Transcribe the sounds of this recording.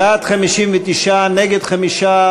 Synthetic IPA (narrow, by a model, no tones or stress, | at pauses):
at̪χamiʃimvet̪iʃaneɡed̪χamiʃa